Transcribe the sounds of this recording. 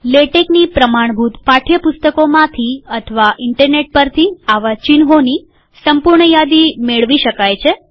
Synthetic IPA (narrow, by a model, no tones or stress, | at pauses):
leʈeknipɾəmaɳ̃bʱut̪paʈʰjəpʊst̪əkomãt̪ʰiət̪ʰəʋaʔɪɳʈəɾneʈ̚pəɾt̪ʰiaʋat͡ʃinɦoni | səmpʊɾɳəjad̪imeɭʋiʃəkajt͡ʃʰe